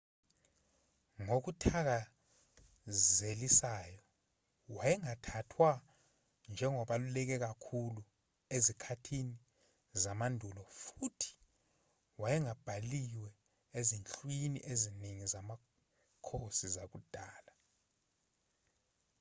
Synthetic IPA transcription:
ŋok̬utʰak̬a | zelisaːjɔ | wajɛŋatʰatʰwa | nd͡ʒʱɛŋɔɓalulɛk̬ɛk̬akʰulu | ezikʰatʰini | zamandʱulɔfutʰi̥ | wajɛŋab̥ʱaliwɛ | ezint͡ɬʼwinḭʔeziniŋizama | kʰosizak̬ud̥ʱaːla

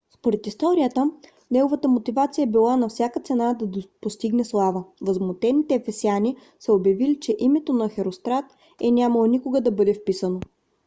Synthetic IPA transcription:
spoɾɛt̪ist̪ɔɾiət̪ə | nɛɡovət̪əmot̪ivat̪sijəɛbilˠanɐfsʲjakət̪sɛnad̪ɐpost̪iɡnɛslˠavəvəzmot̪ɛnit̪ɛfɛsiani | sɛobjɐvilit͡ʃɛʔimɛt̪onɐxɛɾost̪ɾat̪ | ɛnʲaməlˠonikoɡəd̪ɐbɤd̪ɛfpisəno

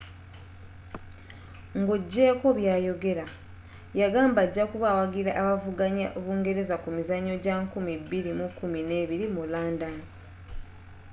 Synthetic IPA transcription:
ŋɡoɟːe̞ːko̞βjaːjo̞ɡe̞ɾa | jaɡaːmbaɟːakuβawaɡiɾaʔːβavuɡaɲaʔβuːŋɡe̞ɾe̞zakumizaɲːo̞ɟaŋkumibiɾimukːumine̞ːβiɾimulaːndani

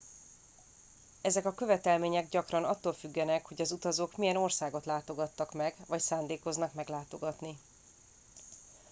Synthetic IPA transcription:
ɛzɛkɒkø̞vɛt̪ɛlmeːɲɛɡɟɒkrɒnɒt̪ːoːlfyɡːɛnɛkho̞ɟɒzut̪ɒzoːkmijɛno̞rsaːɡo̞t̪laːt̪o̞ɡɒt̪ːɒkmɛɡvɒcsaːnd̪eːko̞znɒkmɛɡlaːt̪o̞ɡɒt̪ni

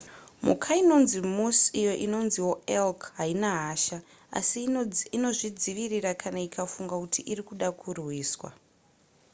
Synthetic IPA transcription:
mṵkʰaino̞nzimusijo̞ʔino̞nziwo̞elkɦainaɦaːʃa | a̰siino̞ʐid͡ziʋirirakʰanaikʰafuŋɡakutʰiʔirikuɗakʰurwiːswa̰

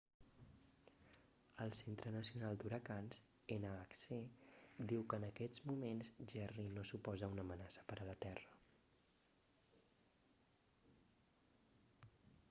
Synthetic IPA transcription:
əlˠsent̪ɾənəsiunalˠd̪uɾəkanz | enəaksed̪iwkəːnəkɛzmumenzʒɛrinosupɔzəunəmənasə̥pəɾələt̪ɛrə

